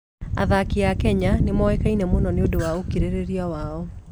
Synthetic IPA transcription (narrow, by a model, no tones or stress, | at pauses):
a̰ðakiakɛɲanemɔɛkainɛmonɔneodowaokiɾeɾeɾiawaɔ